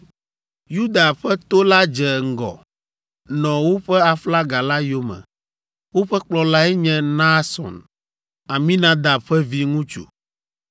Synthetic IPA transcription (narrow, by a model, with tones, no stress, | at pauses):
ju˦d̪a˨ɸɛ˦t̪o˦la˦d͡ʒɛ˨ŋ̩˦˨ɡɔ̰˨ | nɔ̃˨wo˦ɸɛ˦a˨fla˦ɡa˨la˦jo˦mɛ̰̃˨ | wo˦ɸɛ˦k͡plɔ˨la˦ɛ˦ɲɛ̃˦nã˦sɔ̰̃˨n | a˨mĩ˦nã˦d̪a˨ɸɛ˦vi˦ŋũ˦t͡ʃṵ˨